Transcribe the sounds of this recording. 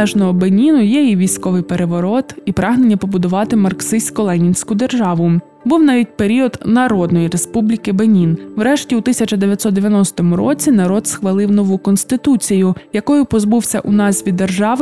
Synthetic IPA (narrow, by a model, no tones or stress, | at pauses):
ɛʒnɔɦɔbenʲinʊjɛiʋʲijsʲkɔʋɪjpeɾeʋɔɾɔt̪ipɾɑɦnenʲːɐpɔbʊd̪ʊʋɑt̪ɪmɐrksɪsʲkɔlˠɛnʲinʲsʲkʊd̪e̞rʒɑʋʊ | buwnɑʋʲit̚ʲpe̞ɾʲiɔd̪nɐɾɔd̪nɔjiɾespublʲikɪbenʲinwɾɛʃtʲiʊt̪ɪsʲɐt͡ʃɐd̪eʋʲjɐt̪ʲsɔt̪d̪eʋʲjɐnɔsʲt̪ɔmʊɾɔ̰t͡sʲinɐɾɔd̪sxʋɐlˠɪwnɔʋukɔnst̪ɪt̪ut͡sʲijʊjɐkɔjʊpɔzbuwsʲɐ̰ʔʊnɑzʲʋʲid̪ːerʒɑʋ